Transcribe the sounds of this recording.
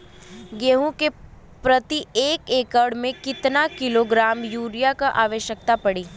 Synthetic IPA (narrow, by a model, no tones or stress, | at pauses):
ɡeːɦũke | pɾɐt̪ieːkeːkəɽmẽkɪt̪nakɪloɡɾaːmjuːɾijakaʔaːʋəʃjək̚t̪apɐɽiː